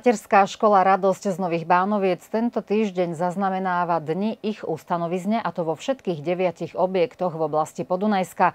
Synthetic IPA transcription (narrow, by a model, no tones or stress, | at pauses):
macɛɾskaːʃkɔlaɾad̪ɔscznɔʋiːɣbaːnɔʋɪɛt͡st̪ɛnt̪ɔt̪iːʒɟɛɲzaznamɛnaːʋad̪ɲiʔiɣust̪anɔʋizɲɛʔat̪ɔʋɔfʃɛt̪kiːɣɟɛʋɪaciɣɔbjɛkt̪ɔɣʋɔblascipɔd̪unajska